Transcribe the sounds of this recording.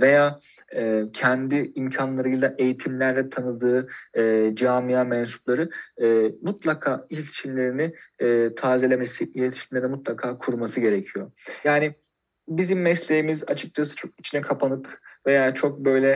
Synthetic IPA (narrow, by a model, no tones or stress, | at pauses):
ve̞jaː | ɛcʰɛnd̪iimcʰanlˠaɾɯjlˠaʔe̞jit̪ʰimlʲæɾlʲɛt̪ʰanɯd̪ɯː | d͡ʒaːmijaːmɛnsu̥plˠaɾɯː | mut̪lˠakʰaːiʃʲt̪ʰi̥ʃʰinlʲe̞ɾiniːt̪ʰaːzelʲemesijelet̪ʰi̥ʃʲimed̪ɛmut̪lˠakʰaːkʰuɾmasɯɟe̞ɾecʰijo̞jaːnɪ | bizimːɛslʲejimiza̰t͡ʃʰɯk̚t͡ʃʰasɯ̥t͡ʃʰo̞k̚it͡ʃʰinɛkʰapʰanɯpve̞jaːt͡ʃʰo̞k̚bø̞jlʲɛ